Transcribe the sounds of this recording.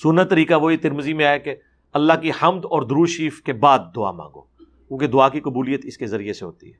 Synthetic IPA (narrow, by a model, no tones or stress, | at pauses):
sʊnːət̪ːəɾiːkaʋoit̪ɪɾməzimẽaːeke | ɐlːaɦkihɐmd̪ɔːɾd̪ʊɾuːʃiːfkebaːd̪̚ːʊa̰ːmã̰ːŋɡo̰ː | kũːked̪ʊaːkikɐbuːlijət̪ɪskezɐɾieseɦo̰ːt̪ḭɦɛː